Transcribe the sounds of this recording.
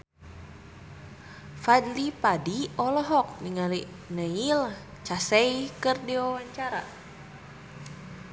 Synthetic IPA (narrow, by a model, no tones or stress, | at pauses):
fad̪lipadiɔlɔɦɔk̚niŋali | nəil | t͡ʃasɛjkɨrdiwawaɲt͡ʃaɾa̰